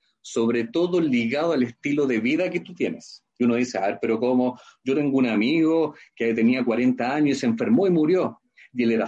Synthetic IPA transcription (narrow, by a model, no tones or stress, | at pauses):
soβɾet̪oðoliɣaðoalest̪iloðeβiðaket̪ut̪jenesjiunoðisea̰eɾpeɾokomoɟ͡ʝot̪e̞ŋɡounamiɣoket̪eniakwaɾe̞nt̪aaɲoiseɱfeɾmoimuɾjo̞ | jeleɾa